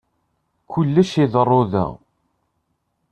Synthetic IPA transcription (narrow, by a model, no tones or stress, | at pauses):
kʊlːæʃiðərˤːoðæ̰